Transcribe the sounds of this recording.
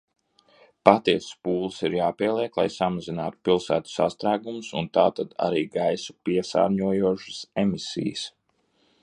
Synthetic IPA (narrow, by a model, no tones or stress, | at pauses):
pat̪iɛsspuːlˠəsiɾjaːpiɛlˠiɛklˠajsamazina̰ːt̪u̥pilˠsæ̰ːt̪u̥sast̪ɾaːɡumusunt̪aːt̪ad̪a̰ɾiːɡajsu̥piɛsa̰ːɾɲuɔjuɔʃə̥semisʲḭjə̰s